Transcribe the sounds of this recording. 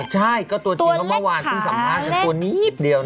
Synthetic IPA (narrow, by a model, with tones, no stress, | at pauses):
t͡ɕʰa˥˩jkɔː˥˩t̪u˧ət͡ɕa˥ma˧˥˩waː˧nkʰɯː˥˩sa˨˦mkʰaː˥˩atu˧ɐniː˦˥p̚di˨˧əw